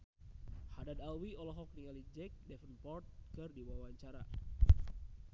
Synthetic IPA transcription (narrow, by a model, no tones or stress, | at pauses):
hadadalwiɔlɔɦɔk̚niŋalid͡ʒɛk̚dɛfənpɔrt̪̚kɨrdiwawaɲt͡ʃaɾa̰